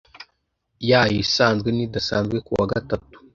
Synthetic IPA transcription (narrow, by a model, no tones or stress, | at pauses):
jajisanɡənidasa̰nzɡikua̰ɡatatːu̥